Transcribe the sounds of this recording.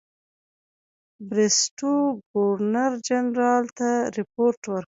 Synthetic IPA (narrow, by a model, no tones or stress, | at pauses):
bɾesʈoɡoɾnaɾd͡ʒanɾɑlt̪aɾɪpoɾʈwəɾ